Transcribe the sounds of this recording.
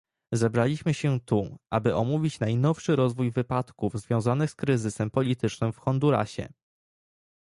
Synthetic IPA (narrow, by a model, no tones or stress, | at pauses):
zɛbɾalʲiɕmɘɕɛt̪uʔa̰bɘʔɔmuvʲit͡ɕnajnɔfʂɘɾɔzvujvɘpat̪kuvzvʲjɔ̃w̃zanɘxskɾɘzɘsɛmpɔlʲit̪ɘt͡ʂnɘmfxɔnd̪uɾa̰ɕɛ̰